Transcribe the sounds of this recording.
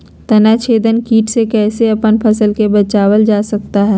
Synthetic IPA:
t̪ɐnaːt͡ʃʰeːd̪ənkiːʈsekɛːseɐpənpʰɐsəlkebɐt͡ʃaːwəld͡ʒaːsɐkt̪aɦɛː

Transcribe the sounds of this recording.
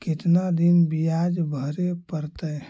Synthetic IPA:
kɪt̪nad̪inbijad͡ʒbʱəɾepəɾt̪əj

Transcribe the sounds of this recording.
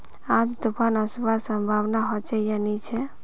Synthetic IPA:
ãd͡ʒd̪upʰanəsbasə̃mbʱawnaɦot͡ʃɛjanit͡ʃʰɛ

